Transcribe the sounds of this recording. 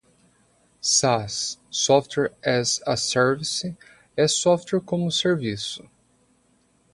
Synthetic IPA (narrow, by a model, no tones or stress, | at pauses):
sasːɔft̪wɛɾɛzɐsɛɾvisɪ | ɛsɔft̪wɛɾkõmʊseɾvisʊ̥